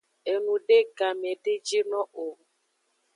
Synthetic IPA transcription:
e˨nũ˨ɖe˦ɡa˨me˨ɖe˦d͡ʒi˦nɔ̃˦o˨

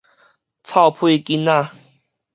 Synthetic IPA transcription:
t͡sʰa˥˧ʊpʰwe˥˧ki˦na˥˧˨

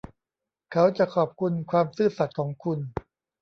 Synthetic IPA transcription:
kʰa˦˥wt͡ɕa˨˩kʰɔː˨˩p̚kʰu˧nkʰwaː˧msɯː˥˩sa˨˩t̪̚kʰɔː˩˦ŋkʰu˧n

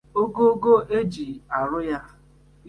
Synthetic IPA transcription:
o˦ɡo˦o˦ɡo˦ʔe˦d͡ʒi˨a˨ɾʊ˦ja˦

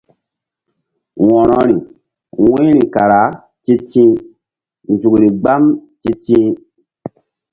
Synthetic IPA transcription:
wɔ˨ɾɔ˨˦ɾi˨ | wẽ˦ɾi˨ka˨ɾa˨˦ | ti˦tĩ˦ | n˨d͡ʒu˨kɾi˨ɡ͡ba˦mti˦tĩ˦

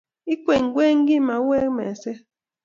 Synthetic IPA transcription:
i˦kwe˨ŋ˨ɡwe˦ŋ̩˦ɡi˦ma˨˦wɛ˦kmɛ̰˨se˦

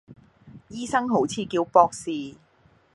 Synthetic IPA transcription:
jiː˥sɐ˥ŋɦo˨˥wt͡sʰiː˨˧kiː˧wpɔː˧k̚siː˨˧

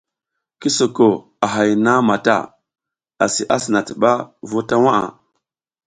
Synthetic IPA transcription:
ki˦so˨ko˨ | a˨ɦa˨jna˦ma˨ta̰˦˨ | a˨si˨ʔa˦sna˨tə˨ɓa˦vo˦ta˦wa˦ʔa̰˨

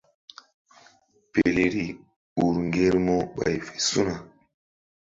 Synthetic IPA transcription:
pe˨le˨ɾi˦˨ | u˨ɾŋɡe˦ɾmɔ˦ɓa̰˨jfe̥˨su˦na˨

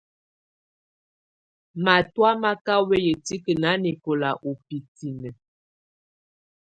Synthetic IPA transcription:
ma˨twa˦ma˦ka˦we˦jə˨ti˦kə˨na˨˦ni˨ko˨la˨ʔo˨pi˨ti˨nə˨

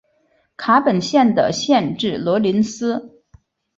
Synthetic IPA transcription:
kʰa˧˥pə˨˩nɕjɛ˥˩nd̪ə̰˩ɕjɛ˥˧nʈ͡ʂɻ̩˥˩lwɔ˧˥li˧˥nsɹ̩˥

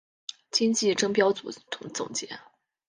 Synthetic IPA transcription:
t͡ɕi˥ŋt͡ɕi˥˩ʈ͡ʂɤ˥ŋpjɑ˥ʊt͡sṵ˨˩ʊ˧˩ŋt͡sʊ̰˨˩ŋt͡ɕjɛ˧˥˦

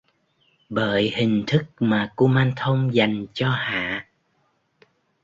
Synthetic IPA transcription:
ɓə̰ː˧˨jhï˨˩ŋ̟t̪ʰɨ˦˥k̚maː˨˩ku˧maː˧nt̪ʰə˧wŋ͡mza˨˩jŋ̟t͡ɕɔ˧ha̰ː˧˨

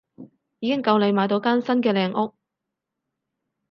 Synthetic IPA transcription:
jiː˨˧kɪ˥ŋkɐ˨˧wle˨˧jmaː˨˧jt̪o˧wkaː˥nsɐ˥nkɛː˧lɛː˨˧ŋʔʊ˥k̚

